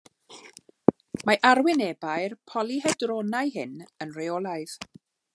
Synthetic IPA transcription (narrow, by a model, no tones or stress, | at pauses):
maʔarwɪnɛbaɨrpʰɔlˠihɛdrɔnajɦɪnənreɔlˠaɨð̥